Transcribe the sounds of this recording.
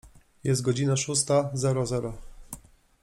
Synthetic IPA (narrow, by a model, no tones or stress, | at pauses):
jɛst̪̚ɡɔd͡ʑinaʂus̬t̪azɛɾɔzɛɾɔ